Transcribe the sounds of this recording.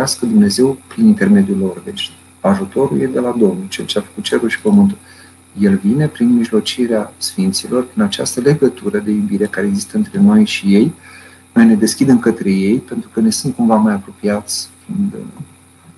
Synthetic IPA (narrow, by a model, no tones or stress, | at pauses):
askəd̪umne̞ze̞wpɾinint̪e̞rme̞d̪iulːo̞rve̞ʃt̪ | aʒut̪o̞ɾuljed̪e̞lad̪o̞mnult͡ʃe̞lt͡ʃeafə̥kut̪̚t͡ʃe̞ɾulʃi̥pəmɨnt̪ul | je̞lvine̞pɾinmiʒlo̞t͡ʃiɾeasfint̪silo̞rpɾinat͡ʃast̪əle̞ɡət̪uɾəd̪e̞jubiɾe̞kaɾeːɡzist̪əɨnt̪ɾe̞no̞jʃije̞j | no̞jne̞d̪e̞skʲid̪e̞mkət̪ɾe̞je̞jpe̞nt̪ɾukəne̞sunt̪̚kuɱvamajapɾo̞piat̪sʲkind̪ə